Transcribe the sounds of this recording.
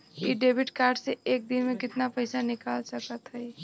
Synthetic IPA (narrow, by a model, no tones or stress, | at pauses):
iɖebʱiʈkaɾɖseek̚d̪inmekɪt̪napəɪsanikalsəkət̪ɦəɪ